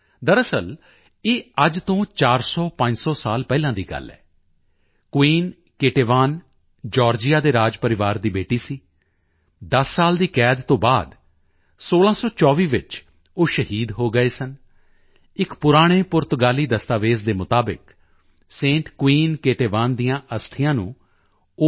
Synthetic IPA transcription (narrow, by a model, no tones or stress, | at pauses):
d̪əɾəsəl | eːəd͡ʒt̪õːt͡ʃaːɾsɔːpə̃ɲd͡ʒsɔːsaːlpɛːlãːd̪iːɡə̰lːɛ̰ː | kwiːn | keːʈeːʋaːn | d͡ʒɔːɾd͡ʒɪjaːd̪eːɾaːd͡ʒpəɾɪʋaːɾd̪iːbeːʈiːsiː | d̪əsːaːld̪iːkɛːd̪t̪õːbaːd̪ | soːlãːsɔːt͡ʃɔːʋiːʋɪt͡ʃ | oːʃəɦiːd̪ɦoːɡəeːsən | ɪkpʊɾaːɽ̃eːpʊɾt̪ʊɡaːliːd̪əst̪aːʋeːzd̪eːmʊt̪aːbɪ̰k | sẽːɳʈkwiːnkeːʈeːʋaːnd̪ɪjãːʔəst̪ʰɪjãːnṵ̃ː | o